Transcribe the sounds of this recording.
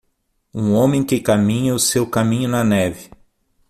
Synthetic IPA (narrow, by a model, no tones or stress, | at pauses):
ũõmẽj̃kɪkamĩɲɐʊsewkamĩɲʊnɐnɛvɪ